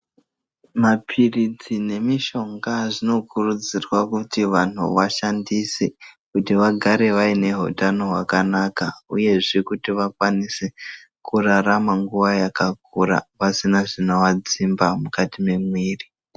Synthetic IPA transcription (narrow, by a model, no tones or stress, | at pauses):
mapʰirid͡zine̞miʃo̞ŋɡaʐino̞kurud͡zirwakutiʋan̤ṵʋaʃandisekutiʋaɡʱaɾe̞ʋaine̞ɦo̰tano̞ɦwakanakauje̞ʐekutiʋakwanise | kuraramaŋɡuʋajakak̚uɾa̰pasinaʐinowad͡zimbamukatime̞mwiːri